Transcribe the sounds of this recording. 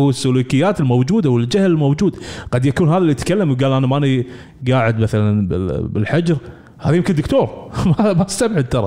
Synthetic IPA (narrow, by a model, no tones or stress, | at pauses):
wɪsːʊluːkɪjːaːt̪ɪlmowd͡ʒuːd̪awɪld͡ʒahlɪlmowd͡ʒuːd̪ɡ̥ɑd̪jakuːnɦaːðalːit̪kalːamwɡaːlʔanamaʔani | ɡaːʕɪd̪maθalanbɪbɪlħad͡ʒɾ | ha̰ːðajɪmkənd̪ʊkt̪oːɾˤmamast̪abʕɪd̪̚t̪ɑɾˤɑ